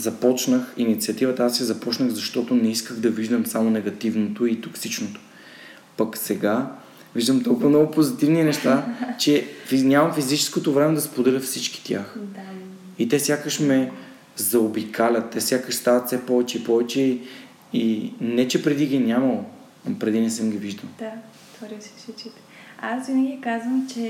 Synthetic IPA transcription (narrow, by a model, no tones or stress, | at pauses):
zɐpɔt͡ʃnəxinit̪siɐt̪ivət̪əasizɐpɔt͡ʃnəɣzɐʃt̪ɔt̪onɛiskəɣd̪ɐviʒd̪əmsamonɛɡɐt̪ivnot̪oit̪oksit͡ʃnot̪o̥ | pɐksɛɡa | viʒd̪əmt̪ɔlˠkʊvɐnɔɡʊpozit̪ivninɛʃt̪at͡ʃɛfinʲamɐmfizit͡ʃɛ̥skot̪ovɾɛmɛd̪ɐspod̪ɛlʲəfsit͡ʃki̥t̪ʲjaxd̪a | it̪ɛsʲjakəʃmɛ | zɐobikʰalʲət̪ːɛsʲjakəʃst̪avɐt̪sɛpɔvɛt͡ʃɛipɔvɛt͡ʃɛ | inɛt͡ʃɛpɾɛd̪iɡʲinʲamɐlˠo | pɾɛd̪inɛsɛmɡʲiviʒd̪əlˠd̪a | t̪vɔɾissit͡ʃit̪ | asvinəɡʲikazvəmt͡ʃɛ